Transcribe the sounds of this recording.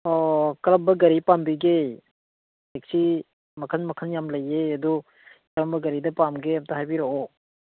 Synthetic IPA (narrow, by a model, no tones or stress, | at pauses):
ɔkɐɾambɐɡɐɾipambiɡe | ek̚si | mɐkʰanmɐkʰanjamlɐjeɐdu | kɾambɐɡɐɾidɐpamɡeɐmtaɦajbiɾoɔ